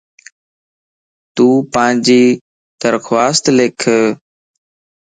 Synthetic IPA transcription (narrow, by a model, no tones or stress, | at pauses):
t̪uːpãːɲd͡ʑiː | d̪̥əɾxʋaːst̪leːkʰ